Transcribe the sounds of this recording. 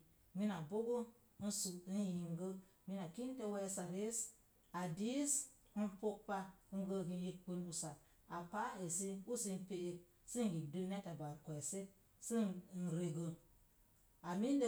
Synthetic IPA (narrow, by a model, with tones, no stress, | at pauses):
mi˦na˨bo˦ɡo˦ | n̩˦su˨˦n˦ji˨ŋ˦ɡə˦ | mi˦na˨ki˦n˦te˦wɛ˦sa˨ɾe˦s | a˨di˦s̩˦ | po˦k̚pa˦ŋ˦ɡə˦ɡi˧˦ji˦k͡pi˦n˦u˦sa˨ | a˨pa˦e˨si˦u˦si˧n̩˦pe˦ʔe˨ | si˦ŋ˨ɡi˨dɨ˦ne˦ta˨ba˨kɛ˨se˦ | si˦˨n̩˨ɾe˨ɡə˨ | a˨mi˦n˦de˦